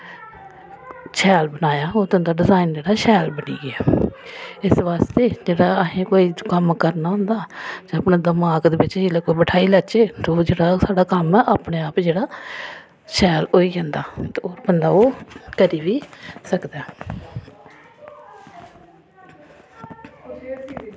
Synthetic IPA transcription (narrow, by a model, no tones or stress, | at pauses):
ʃɛːlbənaːjaːoːd̪ʊ̃nd̪aːɖɪzaːind͡ʒeːɽaːʃɛːlbəniːɡɪaː | ɪsʋaːst̪eːd͡ʒeːɽaːəɦẽːkoːiːkəmkəɾnaːɦʊ̃nd̪aːd͡ʒ̃aːpnãːd̪əmaːɡd̪eːbɪt͡ʃeːlaːkoːibəʈʰaːiːlət͡ʃeːt̪oːd͡ʒeːɽaːsaːɖaːkəmaʔaːpɳeːaːpd͡ʒeːɽaː | ʃɛːloːiːd͡ʒãːnd̪aːt̪ːoːɾbənd̪aːoːkəɾiːʋiːsəkd̪aː